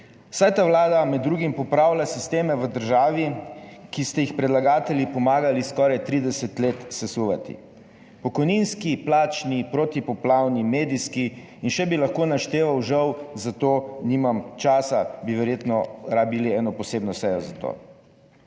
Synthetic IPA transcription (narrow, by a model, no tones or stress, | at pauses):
wsajt̪aʋlaːd̪amɛd̪ːɾuːɡimpɔpɾaːwlʲjasist̪eːmɛʋəd̪əɾʒaːʋikist̪ɛjixpɾɛd̪laɡaːt̪ɛljipɔmaːɡaliskɔːɾajt̪ɾiːd̪ɛsɛt̪leːt̪sɛsuʋat̪ḭ | pɔkɔjninskiplaːt͡ʃnipɾoːt̪ipɔplaːwnimeːd̪iskiː | nʃɛbilaxkoːnaʃt̪eːʋawʒɐwzat̪oːnimamt͡ʃaːsabiʋɛɾjeːt̪nɔɾaːbiliɛːnɔpɔseːbnɔsɛjɔzat̪o̰ː